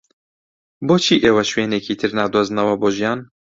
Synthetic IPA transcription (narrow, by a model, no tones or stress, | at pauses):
boːt͡ʃʰiːʔeːwɐʃweːnekiːt̪ʰɨɾnɑːd̪oːznɐwɐboːʒijɑːn